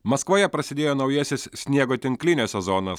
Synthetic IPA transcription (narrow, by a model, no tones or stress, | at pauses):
mɐskʋoːjɛpɾɐsʲɪd̪ʲeːjoːnɒʊjɛsʲɪssʲnʲiɛɡoːt̪ʲɪŋklʲɪnʲoːsʲɛzɔːnɐs